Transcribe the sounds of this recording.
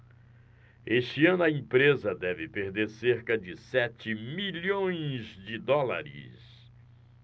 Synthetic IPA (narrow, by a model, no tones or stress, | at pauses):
eʃt͡ʃiɐ̃nʊɐĩpɾezɐd̪ɛvɪpeɾd̪eɾseɾkɐd͡ʒɪsɛt͡ʃɪmiʎõj̃zd͡ʒɪd̪ɔla̰ɾɪ̰s